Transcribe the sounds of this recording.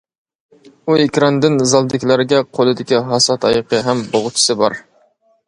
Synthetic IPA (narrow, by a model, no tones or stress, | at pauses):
uekʲɾɑnd̪ɪnzɑlˠd̪ɪkʲlæɾɪɡʲɛqʰolˠɨd̪ɪkʲiɦɑsɑt̪ʰɑjqʰəɦɛmboʁʊt͡ʃʰi̥sɨbɑ̰ɾ